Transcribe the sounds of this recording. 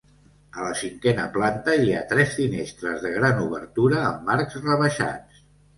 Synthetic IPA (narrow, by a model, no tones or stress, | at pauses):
ələsiŋkɛnəplant̪əiat̪ɾɛsfinest̪ɾəzðəɣɾanuβəɾt̪uɾəːmːaɾkzrəβəʃa̰t͡s